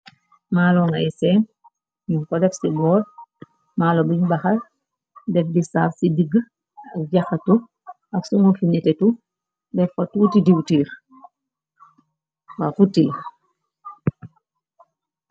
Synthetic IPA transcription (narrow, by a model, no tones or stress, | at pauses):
maːlɔŋaɛsɛːn | ɲuŋkɔdɛfsibɔːd̚ | maːlɔbiɲbaxal | dɛfdisa̰ːfsidiɡ | ɐk̚ɟaxatu | ɐksuŋɔfinɛtɛtu | dɛfɔtuːtidiwtiːɾ | wafuti